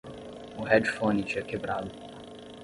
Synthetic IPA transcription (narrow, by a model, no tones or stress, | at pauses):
ʊhɛd͡ʒfõnit͡ʃɛkebɾad̪ʊ